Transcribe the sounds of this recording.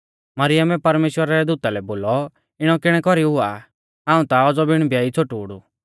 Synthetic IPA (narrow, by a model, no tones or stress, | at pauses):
mɐɾɪjəmɛpɐɾmeːʃwəɾaɾɛd̪uːt̪alɛboːlɔ | ɪɽ̃ɔkɪɽ̃ɛkɔɾiɦʊa̰ | ãːũt̪aɔd͡zɔbɪɽ̃bʱjaːit͡sʰoʈuːɽṵ